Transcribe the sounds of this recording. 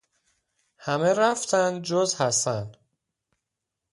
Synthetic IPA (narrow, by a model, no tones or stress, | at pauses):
hæmeɾæft̪ʰænd̪̚d͡ʒozhæst̪ænd̪̥